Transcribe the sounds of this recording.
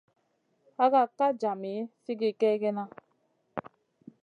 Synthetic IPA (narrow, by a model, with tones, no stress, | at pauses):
a˦ɣa˦˨ka˦d͡ʒa˨mi˨˦fi˦ɡi˦kɛ˦ɡe˦na˦